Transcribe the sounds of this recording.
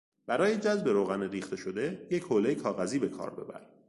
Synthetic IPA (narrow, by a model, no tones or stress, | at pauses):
b̥æɾɒːje̞d͡ʒæzbe̞ɾoːɣæneɾiːxt̪ʰe̞ʃo̞d̪e̞je̞chole̞jekʰɒːɣæziːbe̞kʰɒ̰ːɾbe̞̰bæ̰ɾ